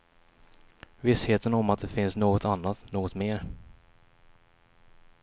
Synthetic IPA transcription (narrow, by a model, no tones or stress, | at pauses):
vɪsheːt̪ənɔmat̪̚d̪ɛfɪnsnoːɡɔt̪anːat̪noːɡɔt̪meːɾ